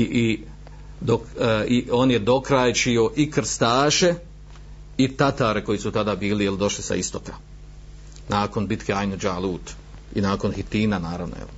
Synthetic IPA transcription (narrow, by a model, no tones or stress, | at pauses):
ii | d̪okio̞ːnje̞d̪o̞kɾaːjt͡ʃio̞ʔikɾ̩st̪aːʃe̞ | it̪at̪aːɾe̞ko̞jisut̪ad̪aːbiːlijeld̪o̞ʃlisa̰ist̪o̞ka | naːko̞nbit̪keajnud͡ʒalˠuːt̪ | ḭnaːko̞nhit̪iːnanaːɾaʋno̰jḛl